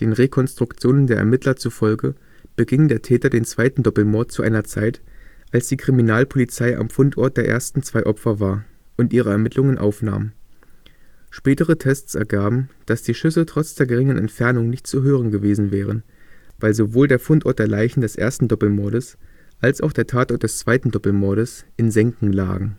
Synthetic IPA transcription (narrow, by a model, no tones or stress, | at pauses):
d̥eːnʁekʰɔnstʁ̥ʊkt͡sjoːnəndeːɐʔɛ̰ɐmɪtlɐt͡sufɔlɡə | b̥əɡɪŋəndeːɐtʰɛːtɐdeːnt͡sv̥aɪtn̩dɔpl̩mɔɐt̚t͡suʔa̰ɪnɐt͡saɪtʔalsd̥iːkʁ̥iminaːlpʰolit͡saɪʔa̰mfʊntʔɔɐt̚d̥eːɐʔḛːɐstn̩t͡sv̥aɪʔɔpfɐvaːɐʔʊntʔiːʁ̞əɛɐmɪtʰlʊŋənʔa̰ʊfna̰ːmə | ʃpɛːtəʁ̞ətʰɛst͡sʔɛ̰ɐɡaːbm̩d̥asd̥iːʃʏsətʁ̥ɔt͡sd̥eːɐɡəʁɪŋənʔɛ̰ntfɛɐnʊŋnɪçt̚t͡suɦøːʁənɡəveːzn̩vɛːʁ̞ən | vaɪlzovoːldeːɐfʊntʔɔɐtd̥eːɐlaɪçn̩dɛsʔḛːɐstn̩dɔpl̩mɔɐɾəsʔalsaʊxd̥eːɐtʰaːtʔɔɐt̚d̥ɛst͡sv̥aɪtn̩dɔpl̩mɔɐɾəsʔɪnzɛŋkŋ̩la̰ːɡŋ̩